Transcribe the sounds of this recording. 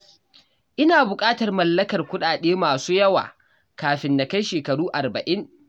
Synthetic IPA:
ʔɪ˦naː˨bʊ˨kʼaː˦tɐ˨rmɐ˨lːɐ˦kɐ˨rkʷʊ˦ɗaː˨ɗeː˦maː˨suː˦jɐ˦wa̰ː˨ | kaː˨ɸɪ˨nːa˨ka˦jʃeː˨kɐ˨ɽuː˦ʔa˨rbɐ˨ʔɪ˦ŋ

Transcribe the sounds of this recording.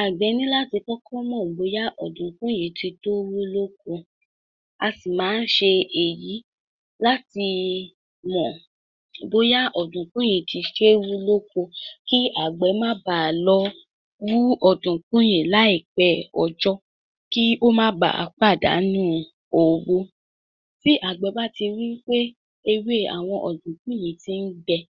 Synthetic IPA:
a˨ɡ͡bɛ˨˦nĩ˦la˦ti˧kɔ˦kʰɔ˦mɔ̃˦˨bo˧˦ja˦ʔɔ̰˨dũ˨kũ˦jẽ˨˦ti˧to˦wu˦lo˦kõ˧ | a˧si˨mãː˨˦n̩˦ʃe˧e˨ji˨˦ | la˦ti˧ | mɔ̃˨ | bo˧ja˦ʔɔ˨dũ˨kũ˦j̃ẽ˨˦˨ti˧ʃe˦wu˦lo˦ko˧ki˦ʔa˨ɡ͡bɛ˨˦mã˦ba˨lɔ˧˦ | wu˦ɔ˦˨dũ˨k͡pũ˦j̃ĩ˨la˨˦i˨k͡pɛ˨˦ɔ˨d͡ʒɔ˦ | ki˦o˦mãː˦ba̰˨a̰˨k͡pa˦˨da̰˨˦nũ˦ | o˨wo˧ | si˦ʔa˨ɡ͡bɛ˨˦ba˦ti˧wi˦k͡pe˦ | e˧we˦˨a̰˨w̃ɔ̃˧ʔɔ˨dũ˨k͡pũ˦j̃ĩ˨˦ti˧n̩˦ɡ͡bɛ˧

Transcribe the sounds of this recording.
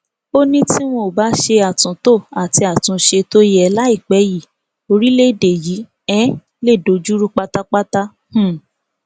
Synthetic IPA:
o˦nĩ˦ti˦w̃õ˧˦˨ba˨˦ʃe˧a˨tũ˨to˦˨a˨ti˧˦a˨tũ˨˦ʃe˧to˦jɛ˧la˦i˦˨k͡pɛ˨˦ji˨ | o˧ɾi˦le˦˨de˨ji˨˦ | ɛ˦ | le˦˨do˨˦d͡ʒu˦ɾu˦k͡pa˦ta˦k͡pa˦ta˦ | h̩˦˨

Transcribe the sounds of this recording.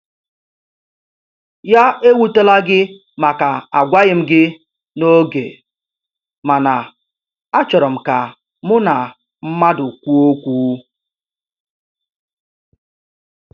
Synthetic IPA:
ja˦e˦wu˦te˦la˦ɡɪ˦ | ma˨ka˨a˨ɡʷa˦ɣɪ˨m̩˦ɡɪ˦ | no˦ɡḛ˨ | ma˨na˨ | a˦t͡ʃɔ˨ɾɔ˨m̩˨ka˨ | mʊ˦na˨ | m̩˦ma˦dʊ˨kʷu˦o˦kʷu˦

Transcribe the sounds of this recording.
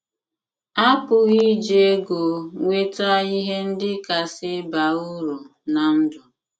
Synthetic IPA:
a˦pʊ˨ɣi˦d͡ʒe˦ɡo˨ŋʷe˦ta˦i˦ɦe˦n̩˦dɪ˦ka˨sɪ˦ba˨u˦ɾu˨na˨n̩˦dɔ˨

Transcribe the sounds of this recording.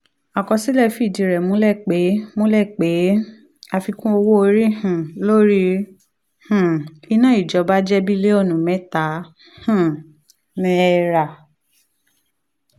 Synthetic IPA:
a˨kɔ˧si˦lɛ˦˨fi˦˨di˨ɾɛ˨mũ˨˦lɛ˦˨k͡pe˨˦mũ˦lɛ˦˨k͡pe˨˦ | a˧fi˧kũ˦o˧wo˦o˧ɾi˦hũ˨lo˦ɾi˦ | h̩˨i˧nã˦˨i˨d͡ʒɔ˨˧˦ba˦d͡ʒɛ˦bi˦le˦ɔ˦˨nũ˨mɛ̃˦ta˨˦ | hũ˦˨ | nĩ˧˦ɛ˧ɾa˨

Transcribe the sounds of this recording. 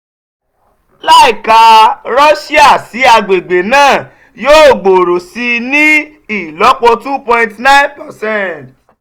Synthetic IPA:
la˦i˨ka˧ɾɔ˦ʃi˦a˦˨si˨˦a˧ɡ͡be˨ɡ͡be˨nãː˦˨ | joː˦˨ɡ͡bo˨ɾo˨si˧nĩ˦ | i˦˨lɔ˨˦k͡pɔ˧tu˦pɔ̃˧ĩ˧ntnã˦ĩ˦npɛ˨sɛ̃˦t

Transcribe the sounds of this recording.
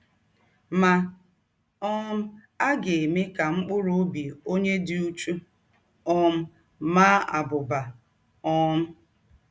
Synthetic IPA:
ma˨ | ɔ˦m̩˦ | a˦ɡe˨me˦ka˨ŋ͡m̩˦k͡pʊ˦ɾʊ˦o˦bi˨o˦ɲe˦dɪ˦u˦t͡ʃu˦ | ɔ˦m̩˦ | ma˦a̰˨bʊ˨ba˨ | ɔ˦m̩˦

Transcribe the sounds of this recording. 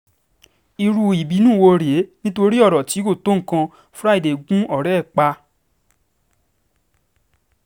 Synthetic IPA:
i˧ɾu˧i˨bi˨˦nũː˦˨wo˧ɾe˨˦nĩ˦to˧ɾi˦ɔ˦˨ɾɔ˨ti˨˦ko˦˨to˦ŋ̩˨kã˧ | fɾa˦i˨de˨ɡũ˦ɔ˦˨ɾɛ˦˨k͡pa˧

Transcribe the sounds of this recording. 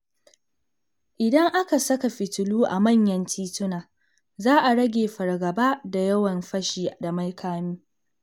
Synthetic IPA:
ʔɪ˨dɐ˦ŋʔa˦ka˨sɐ˦ka˨ɸɪ˨tʊ˨luː˦ʔa̰˨mɐ˦˨ɲjɐ˦ntʰiː˦tʊ˦naː˨ | zaː˦ʔa˨ɽɐ˦ɡʲeː˨ɸɐ˨rɡɐ˨baː˦da˨jɐ˦wɐ˨mɸɐ˦ʃiː˨ʔa˨dɐ˨mɐ˦jkʰaː˦miː˦

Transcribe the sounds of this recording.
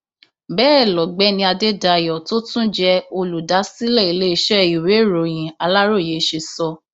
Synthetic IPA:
bɛː˦˨lɔ˨ɡ͡bɛ˨˦nĩ˧a˧de˦da˧˨jɔ˨to˦tũ˦d͡ʒɛ˧o˧lu˨da˨˦si˦lɛ˦˨i˧˦le˦i˧ʃɛ˦i˨we˨˦ɾo˨j̃ĩ˨a˧la˦ɾo˦˨je˨˦ʃe˧sɔ˧

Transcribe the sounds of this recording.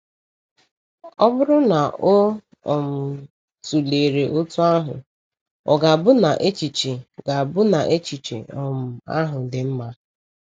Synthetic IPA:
ɔ˦bʊ˦ɾʊ˦na˨o˦ | ɔ˨m̩˨ | tu˨leː˨ɾe˨ʔʊ˦tu˦a˦ɦʊ̰˨ | ɔ̰˨ɡa˨bʊ˦na˨ʔe˦t͡ʃi˨t͡ʃe˨ɡa˨bʊ˦na˨ʔe˦t͡ʃi˨t͡ʃḛ˨ɔ˨m̩˨a̰˦ɦʊ˨dɪ˨m̩˦ma˦

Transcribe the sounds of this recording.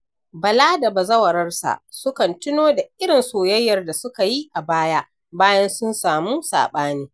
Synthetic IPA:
bɐ˨laː˦da˨bɐ˨zɐ˦wɐ˨ɾɐ˦rsa̰˨ʔsʊ˦kɐ˨ntɪ˦noː˦da˨ʔɪ˦ɽɪ˨nsoː˨jɐ˦jːɐ˨rda˨sʊ˦ka˨ji˦ʔa˨baː˦ja˦ʔ | baː˦jɐ˦nsʊ˦nsaː˨muː˦sa̰ː˨ɓaː˦niː˦

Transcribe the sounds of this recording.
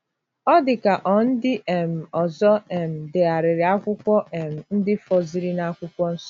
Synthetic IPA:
ɔ˦dɪ˨ka˨ʔɔ˨n̩˦dɪ˦ʔe˨m̩˨ɔ˨zɔ˦e˨m̩˨dɪ˨a˨ɾɪ˨ɾɪ˨a˦kʷʊ˦kʷɔ˦ʔe˨m̩˨n̩˦dɪ˦fɔ˨zi˨ɾi˦na˦kʷʊ˦kʷɔ˦n̩˦sɔ˦

